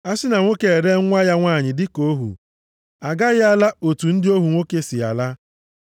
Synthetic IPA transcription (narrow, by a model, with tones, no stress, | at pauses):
a˦sɪ˦na˨ŋʷo˦ke˨e˨ɾe˦ŋʷa˦ja˦ŋʷaː˦˨ɲɪ˨dɪ˦ko˦ɦṵ˨ | a˨ɡa˦ɣɪ˦a˦la˦o˨tu˨n̩˦dɪ˦o˦ɦu˨ŋʷo˦ke˦sɪ˨a̰˨la˦